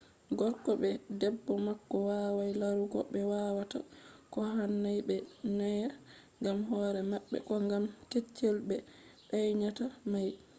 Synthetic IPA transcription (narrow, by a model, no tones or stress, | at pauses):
ɡɔɾkɔbɛdɛbːɔmakːɔwawajlaɾuɡɔ̰ɓɛwaːwata̰kɔhanːajbɛnaja | ŋɡamɦɔːɾɛmaɓːɛ̰kɔŋɡamket͡ʃːelbɛ | ɗajɲatamaj